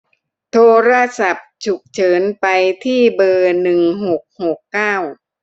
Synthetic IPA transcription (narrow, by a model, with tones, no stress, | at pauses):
t̪ʰoː˧ɾa˧˥sa˨˩p̚t͡ɕʰu˨˩k̚t͡ɕʰɤː˩˦npa˧jt̪ʰiː˥˩bɤː˧nɯ˨˩ŋho˨˩k̚ho˨˩kːaː˥˩w